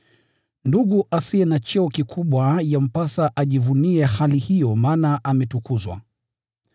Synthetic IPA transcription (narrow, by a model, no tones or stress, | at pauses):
nduɠuʔasiɛnat͡ʃɛɔkikʰuɓwajam̩pasaʔaʄivuniɛhalihijɔmaːnaʔamɛtukuzwa̰